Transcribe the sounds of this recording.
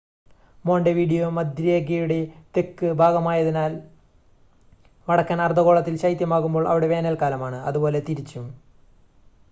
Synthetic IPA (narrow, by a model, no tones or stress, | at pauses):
moːɳɖeʋiːɽijoːmɐd̪ɾijeɡ̬ejuɽet̪e̞kːɨbʱaːɡɐmaːjɐðinaːl | ʋɐɽɐkːaːnɐrd̪ʱɐɣo̞ːɭɐt̪ːilɕɐjt̪jɐmaːɣumbo̞ːɭʔɐ̰ʋiɽe̞ʋeːnɐlkaːlɐmaːɳɨɐðubo̞ːle̞t̪iɾit͡ɕːum